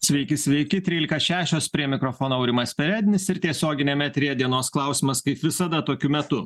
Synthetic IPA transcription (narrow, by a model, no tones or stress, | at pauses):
sʲʋʲɛɪkʲɪsʲʋʲɛɪkʲɪt̪ʲɾʲiːlʲɪkɐʃʲæːʃʲoːspʲɾʲiɛmʲɪkɾofoːnoɐʊɾʲɪmɐspʲɛɾʲæːd̪ʲɪnʲɪsɪɾt̪ʲiɛsʲoːɡʲɪnʲeːmʲɛt̪ʲɾʲiːd̪ʲiɛnoːsklˠɐˑʊsʲɪmɐskɐɪpʋʲɪsɐd̪ɐt̪oːkʲʊmʲɛt̪ʊ